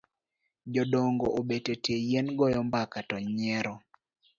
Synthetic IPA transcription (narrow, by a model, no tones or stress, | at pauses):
d͡ʒɔdoŋɡoʔobetetejenɡɔjɔmbakatɔɲɛɾɔ